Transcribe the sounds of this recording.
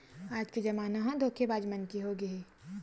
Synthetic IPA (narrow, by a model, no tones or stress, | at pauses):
aːd͡ʒked͡ʒɐmaːnaɦãd̪ʱoːkʰebaːd͡ʒmɐnkiɦoːɡɐiː